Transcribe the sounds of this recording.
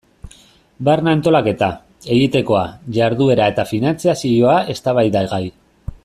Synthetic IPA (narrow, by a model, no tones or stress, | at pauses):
barnant̪o̞lake̞t̪a | e̞ɣit̪e̞ko̞aʝaɾðue̞ɾae̞t̪afinant͡siasio̞aʔe̞st̪aβajðaɣaj